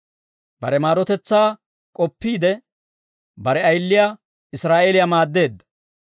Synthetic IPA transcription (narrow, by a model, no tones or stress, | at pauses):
b̥ɐ̰ɾɛmaːɾɔt̪ɛt͡sːaː | kʼɔpːiːd̪ɛ | bɐɾɛɐjlːɪjaː | ɪsɾaːʔelɪjamaːd̪ːe̞ːd̪ːɐ̥